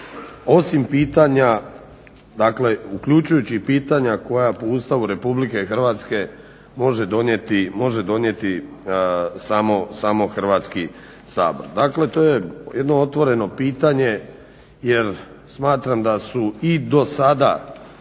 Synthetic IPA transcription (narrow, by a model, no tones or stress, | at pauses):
o̞simpiːt̪aɲa | d̪akle̞ukʎut͡ʃujut͡ɕipiːt̪aɲako̞japoust̪aʋuɾe̞publike̞xrʋat̪ske̞ | mo̞ʒed̪o̞njet̪imo̞ʒe̞d̪o̞nje̞t̪i | samo̞samo̞xr̩ʋat̪ski | sa̰ːbo̞ɾd̪akle̞t̪o̞ːje̞jed̪no̞ot̪ʋo̞ɾe̞no̞piːt̪aɲe | jeɾ | smaːt̪ɾamd̪asuid̪o̞sad̪a̰